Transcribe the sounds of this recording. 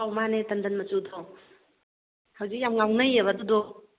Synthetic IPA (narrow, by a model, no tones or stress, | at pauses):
awmanetɐndɐnmɐt͡ʃudɔ | hawzik̚jamŋawnajeβadudɔ